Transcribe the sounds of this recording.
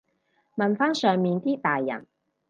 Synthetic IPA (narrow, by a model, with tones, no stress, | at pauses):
mɐ˨˩nfaː˧˥nsœː˨˩ŋmiː˨nt̪iː˥t̪aː˨jːɐ̰˨˩n